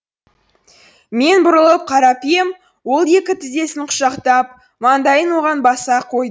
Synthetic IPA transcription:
me̞nbʊɾəlˠəp̚qʰɑɾɑpije̞m | wo̞lˠe̞kʲɪt̪ʰɪzd̪e̞sɪnqʰʊ̥ʃɑqt̪ɑp̚ | mɑnd̪ɑjənwo̞ʁɑnbɑsɑqʰo̞jd̪ə

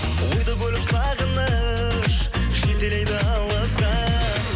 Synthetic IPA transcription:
wo̞jd̪əbʲɵlɪpsɑʁənə | ʃ | ʒet̪e̞lejd̪ɪɑlˠɑsqɑ

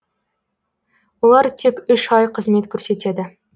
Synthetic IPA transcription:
wo̞lˠɑɾt̪ʰe̞kʲʏʃɑjqʰəzme̞t̪kʲʰɵɾse̞t̪e̞d̪ɪ

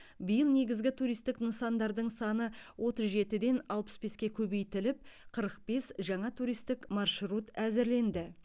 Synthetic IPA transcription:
bəjəlˠne̞ɡʲɪzɡʲɪt̪ʰuɾijst̪ɪknəsɑnd̪ɑɾd̪əɴsɑnəwʔo̞t̪əzʒe̞t̪ɪd̪e̞nɑlˠpə̥sbe̞skʲe̞kʲʰɵbe̞jt̪ɪlɪp̚qʰəɾəq̚be̞sʒɑɴɑt̪ʰuɾijst̪ɪkmɑrʃɾut̪æzɪɾle̞nd̪ɪ

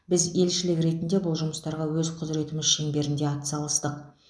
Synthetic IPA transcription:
bɪze̞lʃɪlɪkɾe̞t̪ɪnd̪e̞bʊlˠʒʊməst̪ɑɾʁɑwɵzqʰʊzɾe̞t̪ɪmɪzʃeŋbe̞ɾɪnd̪e̞ɑt̪sɑlˠəst̪əq

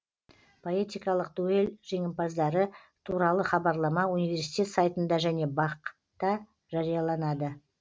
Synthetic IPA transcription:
pʰo̞et̪ijkɑlˠəqd̪ue̞lʒe̞ŋɪmpɑzd̪ɑɾə | t̪ʰuɾɑlˠəχɑbɑɾlˠɑmɑunijvʲe̞ɾsi̥t̪ʰʲe̞t̪sajt̪ənd̪ɑʒæne̞bɑq | t̪ɑ | ʒɑɾijɑlˠɑnɑd̪ə

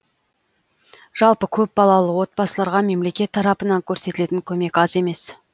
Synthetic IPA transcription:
ʒ̥ɑlˠpəkʲʰɵp̚bɑlˠɑlˠəwo̞t̪̚bɑsəlˠɑɾʁɑme̞mle̞kʲe̞t̪ʰːɑɾɑpənɑŋkʲʰɵɾset̪ɪle̞t̪ɪŋkʲʰɵme̞kʲɑze̞me̞s

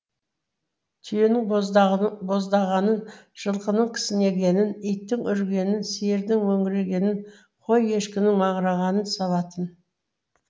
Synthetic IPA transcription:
t̪ʰʏjenɪŋ | bo̞zd̪ɑʁɑnənʒ̥əlˠqənəɴkʲʰɪ̥sɪne̞ɡʲe̞nɪnijt̪ːɪŋʏɾɡʲe̞nɪnseɾd̪ɪŋwɵŋɡʲɪɾe̞ɡʲe̞nɪn | qʰo̞je̞ʃkʲɪnɪŋmɑɴɾɑʁɑnənsɑlˠɑt̪ən

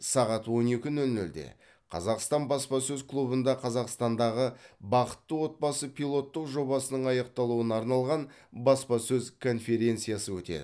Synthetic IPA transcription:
sɑʁɑt̪wo̞ne̞kʲɪnɵlnɵld̪e̞̰ | qʰɑ̰zɑqst̪ɑnbɑspɑsɵzklˠubənd̪ɑqʰɑzɑqst̪ɑnd̪ɑʁəbɑqə̥t̪ːəwo̞t̪̚bɑsəpʰʲilˠo̞t̪ːəqʒo̞bɑsənəɴɑjɑq̚t̪ɑlˠuənɑɾnɑlˠʁɑn | bɑspɑsɵzkʰo̞nfe̞ɾʲe̞nt̪sijɑsəwɵt̪e̞̰d̪ɪ

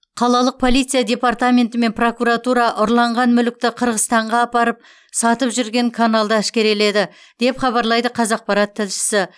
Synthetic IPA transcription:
qʰɑlˠɑlˠəq̚pʰo̞lˠijt̪sɨjad̪ʲe̞part̪amʲe̞nt̪ɪme̞npro̞kuɾat̪uɾɑʔʊɾlˠɑɴʁɑnmʏlɪk̚t̪ɪqʰəɾʁəzt̪ɑɴʁɑːpɑɾəp̚ | sɑt̪əpʒʏɾɡʲe̞ŋkʰanalˠd̪ɑɪʃkʲe̞ɾe̞le̞d̪ɪ | d̪̥e̞pχɑβɑɾlˠɑjd̪əqʰɑzɑq̚pɑɾɑt̪ʰːɪlʃɪ̥sɪ

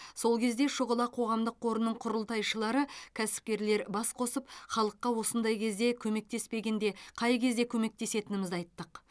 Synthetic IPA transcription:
so̞lˠkʲʰe̞zd̪e̞ʃʊʁəlˠɑqʰo̞ʁɑmd̪əqʰːo̞ɾənːəɴqʰʊɾəlˠt̪ɑjʃəlˠɑɾəkʲʰæsɪ̥p̚kʲe̞ɾle̞ɾbɑsqʰo̞səp̚χɑlˠəqːɑwo̞sənd̪ɑjkʲʰe̞zd̪e̞kʲʰɵme̞k̚t̪e̞spe̞ɡʲend̪e̞qʰɑjkʲʰe̞zd̪e̞kʲʰɵme̞k̚t̪e̞se̞t̪ɪnɪmɪzɑjt̪ːəq

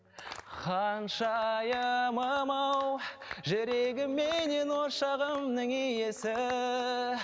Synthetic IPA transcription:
qʰɑnʃɑjəməmɑw | ʒɪɾeɡʲɪmːene̞nwoʃɑʁəmnəŋijesɪ

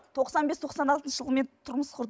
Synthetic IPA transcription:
t̪ʰo̞qsɑnbe̞st̪ʰo̞qsɑnɑlˠt̪ənʃəʒəlˠəme̞nt̪ʰʊɾməsqʰʊɾd̪

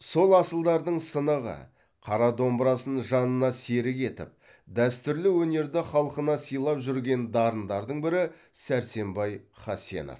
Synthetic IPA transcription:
so̞lˠɑsəlˠd̪ɑɾd̪əɴsənəʁə̰ | qʰɑɾɑd̪o̞mbəɾɑsənʒɑnənɑse̞ɾɪke̞t̪ɪ̰p̚ | d̪æst̪ʏɾlɪwɵne̞ɾd̪ɪχɑlˠəqənɑsijlˠɑpʒʏɾɡʲe̞nd̪ɑɾənd̪ɑɾd̪əɴbɪɾɪ | sæɾse̞mbɑjχɑse̞̰no̰f

